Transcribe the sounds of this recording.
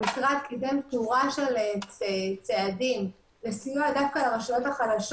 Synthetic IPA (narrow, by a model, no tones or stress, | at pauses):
ikʁad̪̚kizemptuʁaʃeleet͡seadim | lesijuadafkalamaʃalot̪haχadaʃ